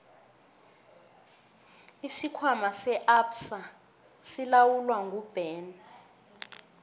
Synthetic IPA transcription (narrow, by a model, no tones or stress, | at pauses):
isikʰwamasɛʔapsa | silawulwaŋɡʱub̥ɛːn